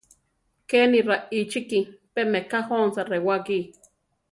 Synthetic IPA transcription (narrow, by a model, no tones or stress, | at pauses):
keːnirait͡ʃikipemekahonsarewaki